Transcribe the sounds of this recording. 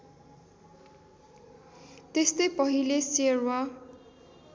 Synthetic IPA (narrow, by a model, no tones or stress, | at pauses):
t̪est̪ʌjpʌɦileserwa